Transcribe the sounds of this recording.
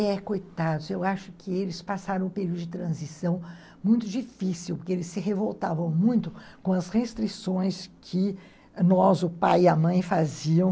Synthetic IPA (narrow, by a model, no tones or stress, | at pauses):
ɛkojt̪ad̪ʊzewaʃʊkʰɪelɪspasaɾɐ̃w̃ʊpeɾiuwd̪ʊd͡ʒɪt̪ɾɐ̃zisɐ̃w̃ | mũj̃t̪ʊd͡ʒifisiwpoɾkeelɪsːɪɦevowt̪avɐ̃w̃mũj̃t̪ʊkõɐshest̪ɾisõj̃skʰɪ | nɔzʊpajiɐmɐ̃j̃faziɐ̃w̃